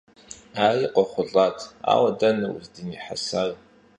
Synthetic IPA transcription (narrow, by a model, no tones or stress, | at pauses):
aːiqʷʼɔχʷʊɮʼatʰa̰ːwɐdɐnɐwṵzdɨniħa̰sar